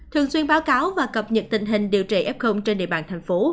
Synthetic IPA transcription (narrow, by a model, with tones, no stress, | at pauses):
t̪ʰɨ˨˩əŋswi˧ənɓaː˨˦wkaː˨˦wvaː˨˩kə˨˩p̚ɲə˨˩t̚t̪ï˧˨˩ŋ̟ɦï˨˩ŋ̟ɗi˨˩əwt͡ɕḭ˧˩ʔɛ˦˥p̚xə˧wŋ͡mt͡ɕe˧nɗḛ˧˨ɓa̰ː˧˩nt̪ʰɛ˨˩jŋ̟fo˨˦